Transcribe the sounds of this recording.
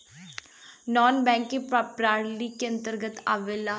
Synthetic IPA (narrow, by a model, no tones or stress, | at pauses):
nɔːnbɛ̃ːŋkẽppɾaːɾliːkeə̃nt̪əɾɡət̪aːʋelaː